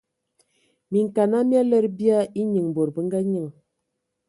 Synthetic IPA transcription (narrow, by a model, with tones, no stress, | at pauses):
mi˨ŋ̩˨ka˨na˦mja˦lɛ˦ɾbi˦a˦i˦ɲɨ˨ŋ˨bo˨ɾbə˦ŋ˦ɡa˦ɲə˦ŋ˨